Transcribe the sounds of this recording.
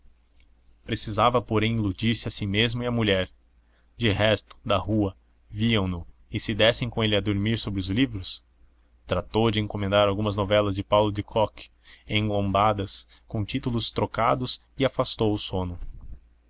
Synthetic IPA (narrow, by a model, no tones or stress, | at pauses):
pɾesizavɐpoɾẽj̃ilud͡ʒiɾsɪasimezmʊɪɐmuʎɛɾ | d͡ʒɪɦɛst̪ʊ̥d̪ɐhuɐ | viɐ̃w̃nʊ | ɪsɪd̪ɛsẽj̃kõelɪɐd̪oɾmiɾsobɾɪʊzlivɾʊs | t̪ɾat̪owd͡ʒɪẽŋkomẽnd̪aɾawɡũmɐznovɛlɐzd͡ʒɪpawlʊd͡ʒɪkʰɔkɪ̥ | ẽŋɡlõmbad̪ɐs | kõt͡ʃit̪ulʊst̪ɾokad̪ʊsɪafast̪owʊsõnʊ